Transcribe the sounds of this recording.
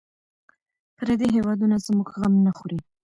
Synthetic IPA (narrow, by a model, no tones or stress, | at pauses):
pəɾad̪eɦewɑd̪unazmuɡɣamnaxuɾi